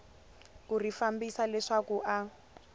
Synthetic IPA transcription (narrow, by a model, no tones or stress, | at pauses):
kurifambisalɛʂakuʔa